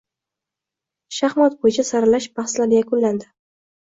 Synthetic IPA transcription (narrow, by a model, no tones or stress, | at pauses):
ʃahmat̪̚bojɪt͡ʃʰasaɾalaʃbaχslaɾjakʊnland̪ɪ